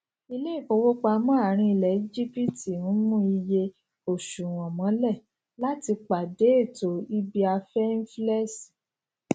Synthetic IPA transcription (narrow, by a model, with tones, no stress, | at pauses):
i˧le˦i˦˨k͡po˧˦wo˦k͡pa˧mã˦a˦˨ɾ̃ĩ˧i˧˨lɛ˨i˦d͡ʒi˦pi˦ti˨nũ˨˦mũ˦i˧je˧ | o˨ʃu˨w̃ɔ̃˨mɔ̃˨˦lɛ˦˨ | la˦ti˧k͡pa˨de˨˦e˦˨to˨˦i˦bi˦a˧fɛ˦n̩˦flɛ˦si˨